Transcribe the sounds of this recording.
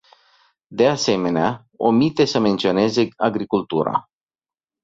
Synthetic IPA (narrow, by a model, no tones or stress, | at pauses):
d̪e̞ase̞me̞nea | o̰mit̪e̞səme̞nt̪sio̞ne̞ze̞aɡɾikult̪uɾa̰